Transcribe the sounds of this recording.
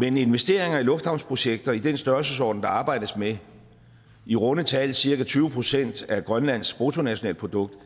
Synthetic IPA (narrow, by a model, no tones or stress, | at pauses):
mene̝nʋesd̥e̝ɐ̰e̝ŋɐilɔ̽fd̥hɑ̈ʊnspʰʁo̝ɕeɡ̥̚d̥ɐid̥ensd̥ɶɐsəs̬ɒ̰ːd̥n̩d̥ɑ̈ɑ̈ːb̥ɑ̈ɪ̰d̥əsme | iʁɔ̽nət͡sʰɛlsiɐɡæt͡sʰyːʊəpʰʁo̝sen̰d̥æɡ̥ʁɶnlæn̰sb̥ʁot͡sʰo̝næɕo̝nɛ̰l̰̥pʰʁo̝d̥ɔ̽ɡ̥̚d̥